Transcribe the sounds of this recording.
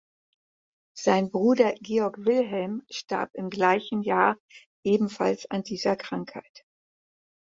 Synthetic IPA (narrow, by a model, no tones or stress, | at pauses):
z̥aɪnbʁuːdɐɡeːɔɐkv̥ɪlɦɛlmʃta̰ɐpɪmɡlaɪçn̩jaːɐ | ʔeːbm̩fa̰lsa̰ndiːzɐkʁ̥aŋkha̰ɪt